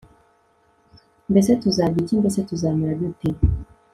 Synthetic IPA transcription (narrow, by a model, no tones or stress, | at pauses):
mbesetuzaɡicimbesetuzaːmuɾadutim